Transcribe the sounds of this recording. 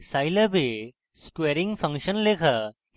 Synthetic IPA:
sajlɐbe | skweːɾĩŋɡfɐ̃ŋkʃənleːkʰɐ

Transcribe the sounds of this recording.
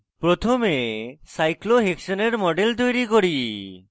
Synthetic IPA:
pɾot̪ʰomesajkloɦeksɔneɾmɔɖelt̪ojɾikɔɾi

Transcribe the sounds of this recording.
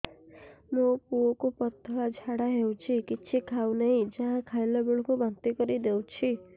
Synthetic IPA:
mopuɔkupɔt̪ɔad͡ʒʱaɽaɦewt͡ʃʰikit͡ʃʰikʰawnɔɦĩd͡ʒãɦãkʰajlɔboɭɔ̃kubant̪ikɔɾid̪ewt͡ʃʰi

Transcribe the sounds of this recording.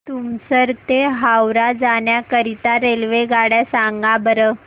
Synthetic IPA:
t̪umsəɾt̪eɦawɾad͡zaɳjakəɾit̪aɾelʋeɡaɽjasaŋɡabəɾə

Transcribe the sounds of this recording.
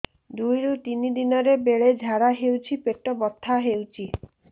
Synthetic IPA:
d̪ujɾut̪inid̪inɔɾebeɭed͡ʒʱaɾaɦewt͡ʃʰipeʈɔbɔt̪ʰːaɦewt͡ʃʰi

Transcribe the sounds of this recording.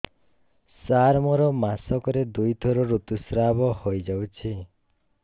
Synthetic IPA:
saɾmɔɾɔmasɔkɔɾed̪ujt̪ʰɔɾɔɾut̪usɾabɔhojd͡ʒawt͡ʃʰi

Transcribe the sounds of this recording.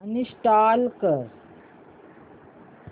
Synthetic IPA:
anisʈalkəɾ

